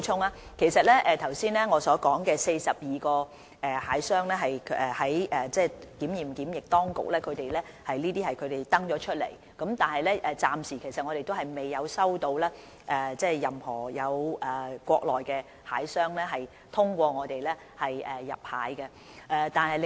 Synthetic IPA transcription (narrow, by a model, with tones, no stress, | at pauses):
t͡ʃʰʊ˥˧ŋaː˧˥kʰe˨˩jsɐ˨t̚lɛː˥ʔɛː˨˧t̪ʰɐ˨˩wsiː˥nlɛː˥ŋɔː˨˧sɔː˨˥kɔː˨˥ŋkɛː˧se˧jsɐ˨p̚jiː˨kɔː˧ | ɛ˨haː˨˥jsœː˥ŋlɛː˥ɦɐ˨jɛː˨˩hɐ˨˥jʔɛː˨t͡sɛː˥˧kiː˨˥mjiː˨mkiː˨˥mjɪ˨k̚t̪ɔː˥ŋkʊ̰˨˩k̚lɛː˥kʰɵ˨˧ɥt̪e˨˩jlɛː˥ | hɐ˨jniː˥t̪iː˥hɐ˨jkʰɵ˨˧ɥt̪e˨jt̪ɐ˥ŋt͡ʃɔː˨˥t͡ʃʰɵ˥t̚lḛ˨˩j | kɐ˨˥mt̪aː˨nhɐ˨jlɛː˥ʔɛː˨˧t͡saː˨msiː˨˩kʰe˨˩sɐ˨t̚ŋɔː˨˧ɾe˨jt̪o˥wɦɐ˨jme˨jːɐ˨˧wsɐ˥wt̪o˧wlɛː˥ | ʔɛː˨t͡sɛː˥jɐ˨mhɔː˨˩jɐ˨˧wʔɛː˨˩kʷɔː˧k̚lɔː˨jkɛ˧ | haː˨˥jsœː˥ŋlɛː˥ɦɐ˨j | t̪ʰʊ˥ŋkʷɔː˧ŋɔː˨˧t̪e˨jlɛː˥ | hɐ˨jɛː˨˩ɐ̰˨p̚ha̰ː˨˥jkɛ˧ | ʔɛː˧t̪aː˨˧nhɐ˨l